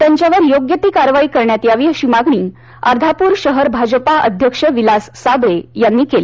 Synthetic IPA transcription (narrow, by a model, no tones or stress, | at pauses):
t̪jaɲt͡ɕjaʋəɾjoɡjət̪iːkaɾʋaiːkəɾɳjat̪jaʋiːəɕimaɡɳiː | aɾd̪ʱapuːɾɕəɦəɾbʱad͡ʑəpaʔə̰d̪ʱjəkʂəʋilasːabɾejanːiːkeli